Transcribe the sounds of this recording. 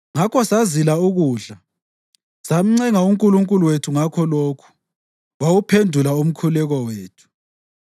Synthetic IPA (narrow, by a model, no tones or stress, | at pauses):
ŋakʰɔsazilauɣuːɮa | sam̩ŋ͡ǀɛŋauŋkʼuluŋkʼuluwetʰuŋakʰɔloːkʰu̥ | wawupʰendʱulaum̩kʰulɛɣɔweːtʰu̥